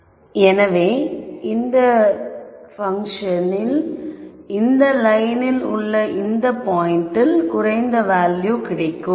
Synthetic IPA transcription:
ɛnɐʋeːɪnd̪ɐ | fɐŋʂɐnɪl | ɪnd̪ɐlɐɪnɪlʊɭːɐʔɪnd̪ɐpoːjɪɳʈːɪlkʊɾɐɪnd̪ɐʋaːljukɪɽɐɪkːɯm

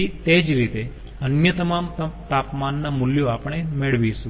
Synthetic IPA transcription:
it̪ed͡ʒɾit̪e | ənjət̪əmamt̪apmanːamuljoapəɳ̃emeɭʋiʃũ

